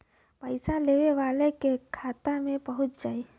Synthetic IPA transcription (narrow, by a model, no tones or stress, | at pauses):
pəɪsaleːʋeʋaːlekekʰaːt̪amẽbəɦʊt̪̚d͡ʒaːi